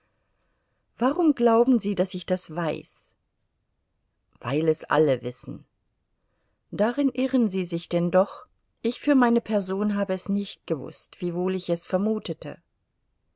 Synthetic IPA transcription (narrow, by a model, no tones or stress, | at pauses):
v̥aʁʊmɡlaʊbm̩ziːdasɪçd̥asv̥aɪs | v̥a̰ɪlɛsʔa̰ləvɪsn̩ | d̥aʁɪnʔɪʁənziːzɪçd̥ɛndɔχ | ʔɪçfyːɐmaɪnəpʰɛɐzoːnɦaːbəɛsnɪçt̚ɡ̥əvʊ̰stv̥iːvoːlɪçɛsfɛɐmuːtətʰə̰